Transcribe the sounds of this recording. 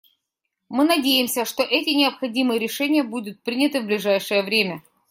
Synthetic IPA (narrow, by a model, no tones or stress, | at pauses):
mɨnɐdʲejɪmsʲəʂt̪o̞ʔɛtʲɪnʲɪəpxɐdʲimɨjəɾʲɪʂɛnʲɪjəbud̪ʊt̪̚pɾʲinʲɪt̪ɨvblʲɪʐajʂɨjəvɾʲemʲə